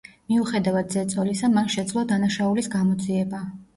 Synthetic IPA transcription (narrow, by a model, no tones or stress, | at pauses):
miuχɛd̪avad̪zɛt̪sʼɔlisamanʃɛd̪zlˠad̪anaʃaulisɡamɔd̪ziɛba